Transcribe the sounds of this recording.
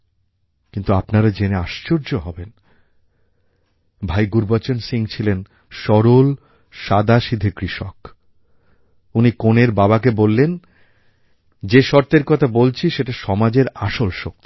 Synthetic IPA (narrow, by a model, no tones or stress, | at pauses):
kint̪uapnaɾad͡ʑeneaʃt͡ɕoɾd͡ʑoɦɔben | bʱajɡuɾbat͡ɕonsiŋt͡ɕʰilen | ʃɔɾol | ʃad̪aʃid̪ʱekɾiʃok | unikoneɾbaβak̬ebolːen | d͡ʑeʃɔɾt̪eɾkɔt̪ʰabolt͡ɕʰiʃeʈaʃɔmad͡ʑeɾaʃolʃok̚t̪i̥